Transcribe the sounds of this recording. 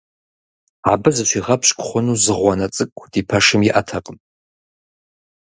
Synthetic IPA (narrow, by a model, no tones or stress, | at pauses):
abɨzɨt͡ʃʷʰiʁɐpʰɕʼkʷʼχʷʊnuzɨʁʷanɐt͡sʼɨkʷʼːd̥ipʰɐʂɨmjiʔatʰɐqʼənʼ